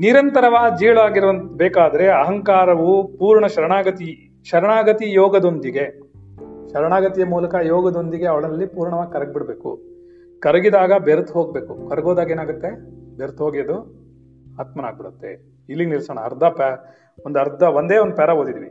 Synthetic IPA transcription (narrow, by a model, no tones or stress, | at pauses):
niɾɐnt̪ɐɾɐʋaːd͡ʒiːɭaːɡiɾʋɐnt̪beːkaːd̪ɐɾe̞ɐɦɐŋkaːɾɐʋupuːɾɳɐʃɐɾɐɳaːɡɐt̪i | ʃɐɾɐɳaːɡɐt̪ijɔːɡɐd̪ond̪iɡe̞ | ʃɐɾɐɳaːɡɐt̪ijɐmuːlɐkɐjɔːɡɐd̪ond̪iɡe̞ɐʋɐɭɐlːipuːɾɳɐʋaːɡkɐɾɐɡbiɽbeːkṵ | kɐɾɐɡid̪aːɡɐbeɾt̪ɦoːɡ̚beːkukɐɾɐɡoːd̪aːɡe̞ːnaːɡut̪ːe̞beɾt̪ɦoːɡijɐd̪u | aːt̪mɐna̰ːɡ̚biɽut̪ːe̞̰ | ilːiɡnilsoːɳ̃ɐ̰ːɾd̪ʱɐp | ond̪ɐɾd̪ʱɐond̪eːond̪pɛɾɐɦoːd̪id̪iʋi